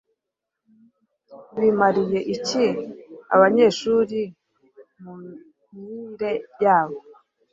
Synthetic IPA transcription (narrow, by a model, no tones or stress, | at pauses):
βimaɾije̞ʔicia̰βaɲe̞ʃuːɾi | mu | miɾe̞jaːβo